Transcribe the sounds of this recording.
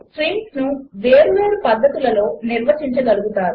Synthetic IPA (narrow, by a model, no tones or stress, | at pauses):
sʈɾiŋkknuʋeːɾuʋeːɾupɐd̪ʱːɐt̪ulɐlo̞ːniɾʋɐt͡ʃiɲt͡ʃɐɡɐluɡut̪aːɾu